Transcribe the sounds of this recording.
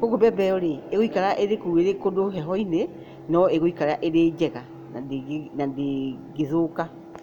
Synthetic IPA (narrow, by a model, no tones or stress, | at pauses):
koɡobɛbɛɔɾeeɣoikaɾaʔeɾekueɾekodoɦɛɦɔine | nɔeɣoikaɾaʔeɾed͡ʑɛɣa | nadnandeɡeðoka